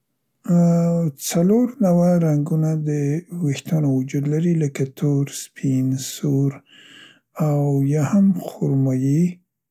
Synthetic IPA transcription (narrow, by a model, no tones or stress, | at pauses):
t͡saloɾnawaɾaŋɡunad̪əwext̪anowʊd͡ʒud̪laɾiləkat̪ʰoɾspʰinsoɾ | awjɑhamxoɾmaji